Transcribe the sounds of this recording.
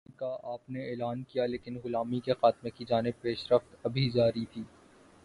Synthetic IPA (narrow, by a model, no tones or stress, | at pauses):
kaʔaːpneɛːlaːnkijaleːkɪnɣʊlaːmikexaːt̪mekid͡ʒaːnɪb̚peːʃɾəft̪ɐbʱid͡ʒaːɾit̪ʰiː